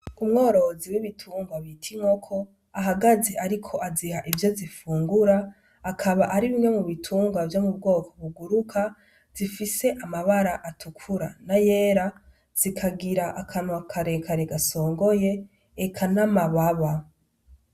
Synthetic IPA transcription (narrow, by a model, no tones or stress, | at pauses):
umŋo̞ːɾo̞ziwiβitʰuːŋɡwaβitʰiŋo̞kʰo̞ | aɦaɡazeʔaɾikʰo̞ʔazihaʔivjozifuːŋɡuɾaː | kʰaβaʔaɾiβimŋe̞muβitʰuːŋɡwavjomubɡo̞ːkʰoβuɡuɾukʰa | z̥ifise̞ʔamaβaɾaʔatʰukʰuɾanaje̞ːɾa | z̥ikʰaɡiɾaʔakʰanwakʰaɾekʰaɾeɡaso̞ːŋɡo̞je̞ː | kʰanamaβaβa